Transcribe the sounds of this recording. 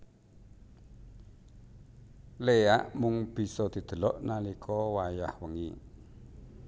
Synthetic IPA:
leaʔmʊŋb̥i̤sɔd̪̥i̤d̪̥ə̤lɔʔnalikʰɔwajahwəŋi

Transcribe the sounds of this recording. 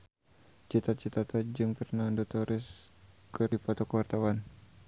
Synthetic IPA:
t͡ʃit̪at͡ʃit̪at̪ad͡ʒɨŋpərnandɔt̪ɔɾʔɪs | kɨrdipɔt̪ɔkəwart̪awan

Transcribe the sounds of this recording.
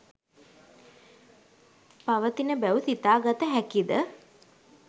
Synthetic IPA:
paʋət̪inəbæusit̪aːɡat̪əɦækid̪ə

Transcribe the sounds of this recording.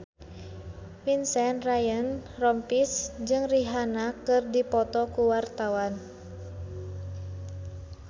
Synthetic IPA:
minsɛnrajənrɔmpisd͡ʒɨŋriɦanakɨrdipɔt̪ɔkuwart̪awan

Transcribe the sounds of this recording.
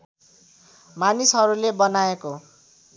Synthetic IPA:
manisɦʌɾulebʌnaeko

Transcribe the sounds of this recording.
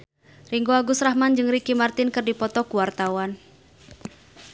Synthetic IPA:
riŋɡoaɡusrahmand͡ʒɨŋrikimart̪ɪnkɨrdipɔt̪ɔkuwart̪awan

